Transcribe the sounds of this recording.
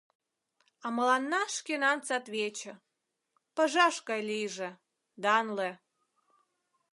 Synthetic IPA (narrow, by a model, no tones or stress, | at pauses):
ɑməlɑnːɑʃkenɑnt͡sɑt̪βet͡ɕə̆ | pəʒɑʃɣɑjlijʒĕ | d̪ɑnle